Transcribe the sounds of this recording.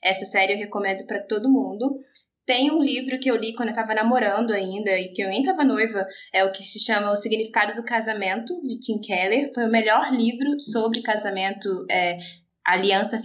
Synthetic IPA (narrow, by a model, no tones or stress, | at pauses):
ɛsɐsɛɾɪewɦekomẽnd̪ʊpɾɐt̪od̪ʊmũnd̪ʊ | t̪ẽj̃ũlivɾʊkɪewlikwõd̪ewt̪avɐnamoɾɐ̃nd̪ʊaĩnd̪ɐɪkɪ̃ɐ̃ɡẽt̪avɐnojvɐɛʊkɪsɪʃɐ̃mɐʊsiɡnifi̥kad̪ʊd̪ʊkazamẽnt̪ʊd͡ʒɪkĩkʰɛlefojʊmeʎɔɾlivɾʊsobɾɪkazamẽnt̪ʊɛ | aliɐ̃sɐ